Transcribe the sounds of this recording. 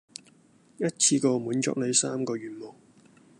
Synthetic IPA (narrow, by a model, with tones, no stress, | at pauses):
jɐ˥t̚t͡sʰiː˧kɔː˧muː˨˥nt͡ʃɔ̰ː˧k̚ne˨˧˥jsaː˥mkɔː˧ɥyː˨˩nmɔː˨˩ŋ